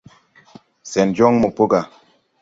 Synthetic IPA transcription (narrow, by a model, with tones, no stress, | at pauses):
sɛ˨nd͡ʒɔ˦ŋmo˨po˦ɡa˨